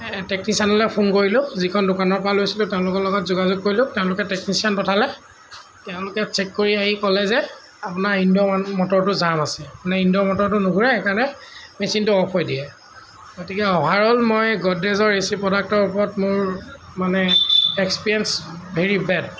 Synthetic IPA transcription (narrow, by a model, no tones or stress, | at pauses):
tek̚nisianɔlɛpʰunkoɹilʊ̃zikʰɔndʊkanɔɹpɔɹalojsilʊ̃tɛʊ̃lʊkɔlɔɡɔtzuɡazʊɡ̚koɹilʊ̃tɛʊ̃lʊkɛteknisianpɔtʰalɛ | tɛʊ̃lʊkɛt͡ʃɛkːoɹiaɦikɔlɛzɛ | apʊnaɹindɔmɔtɔɹtʊzamasɛapanɛindɔmɔtɔɹt̬ʊnʊɡʱuɹɛekaɹnɛmesintʊɔpʰɔjdijɛ | ɡotikɛɔɦaɹɔlmɔjɡɔdezɔɹːesipɹɔdak̚tɔɹupɔɹɔtmʊɹmanɛekspiɹɛnsbʱeɹibɛd